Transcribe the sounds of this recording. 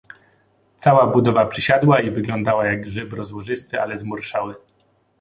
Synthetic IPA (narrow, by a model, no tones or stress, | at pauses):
t̪sawabud̪ɔvapʂɘɕad̪waivɘɡlɔnd̪awajaɡʐɘbɾɔzwɔʐɘst̪ɘʔa̰lɛzmuɾʂawɘ